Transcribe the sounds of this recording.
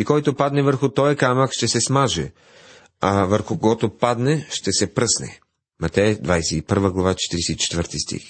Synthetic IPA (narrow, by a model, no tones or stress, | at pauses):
ikɔjt̪opad̪nɛvəɾxʊt̪ɔjɐkamɐkʃt̪ɛsɛsmaʒɛ | avəɾxʊkoɡɔt̪opad̪nɛʃt̪ɛsɛpɾɤsnɛ̰ | mɐt̪ɛjəd̪vajsɛipəɾvəɡlˠɐvat͡ʃɛ̥t̪iɾisɛit͡ʃɛ̥t̪vəɾt̪ist̪ḭx